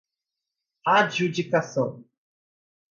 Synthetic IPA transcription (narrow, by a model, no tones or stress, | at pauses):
ad͡ʒud͡ʒikasɔ̃